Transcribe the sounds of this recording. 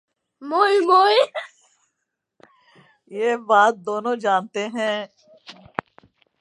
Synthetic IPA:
moːimoːi | jeːbaːt̪̚d̪oːnõːd͡ʒaːnt̪eɦɛ̃ː

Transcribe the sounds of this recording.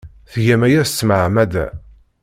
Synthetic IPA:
θʝæmæjæst͡sːməʕmæd̪æ̰

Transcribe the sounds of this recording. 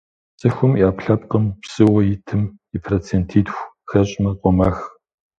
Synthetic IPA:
t͡sʼɐxʷʊmjaːpɬɐp̚qəmpsɨwɐjɪtʰɨm | ipʰrot͡sʰeːntʰiːtxʷ | xɐɕʼmɐqʷʼɔmaːx

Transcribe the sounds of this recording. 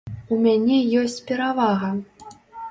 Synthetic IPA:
umʲanʲɛjɔsʲt͡sʲpʲɛɾavaɣɐ

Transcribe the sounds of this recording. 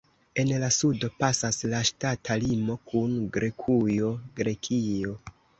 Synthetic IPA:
e̞nlasudo̞pasaslaʃtatʰalimo̞kʰunɡɾe̞kʰujo̞ɡɾe̞kʰio̞

